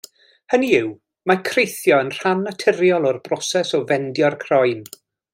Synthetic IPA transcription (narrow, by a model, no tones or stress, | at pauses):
həniɪw | makʰrejθjɔənr̥anːatʰɪɾjɔlˠɔrbrɔsɛsɔvɛndjɔrkʰrɔjn